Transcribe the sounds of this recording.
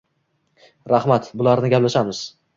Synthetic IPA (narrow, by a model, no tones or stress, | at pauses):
ɾahmat̪bʊlaɾnɪɡʲaplaʃamɪz̥